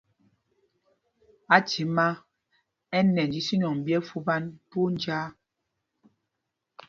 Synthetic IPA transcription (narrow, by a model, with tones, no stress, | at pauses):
a˨ti˨˦ma˦ | ɛ˦nɛ˨nd͡ʒi˨si˦ɲɔ˨ŋ˨bjɛ˦fu˦ba˦npu˦n˦d͡ʒaː˦